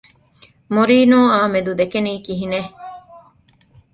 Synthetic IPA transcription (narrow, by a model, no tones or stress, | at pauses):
moɾiːnoːaːmed̪ud̪ekeniːkiɦine